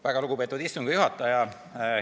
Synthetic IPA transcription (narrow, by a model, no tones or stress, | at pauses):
væɡ̥ɑluɡ̥upe̞ːt̪ːuvd̪ist̪uŋɡ̥ɑjuɦɑt̪ːˑɑjɑ